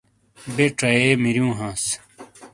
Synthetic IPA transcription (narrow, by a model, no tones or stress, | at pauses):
beʈ͡ʂɐeːmiɾjũːɦãːs